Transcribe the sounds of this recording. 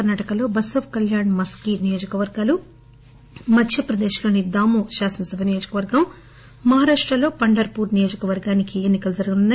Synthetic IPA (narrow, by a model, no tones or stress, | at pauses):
ɐnaːʈɐkɐlo̞ːbɐsɐʋkɐljaːɳmɐskinijo̞ːd͡ʒɐkɐʋɐɾɡaːlu | mɐdʃɐpɾɐd̪ɛːʃɐlɐːnid̪aːmuːʃaːsɐnɐsubʱɐnijoːd͡ʒɐ̥kɐʋɐɾɡɐmː | ɐɦaːɾaːʂʈɾɐlo̞ːpɐɳɖɐɾpuːɾnijoːd͡ʒɐkɐʋɐɾɡaːnikienːikɐlud͡ʒɐɾɡununːɐ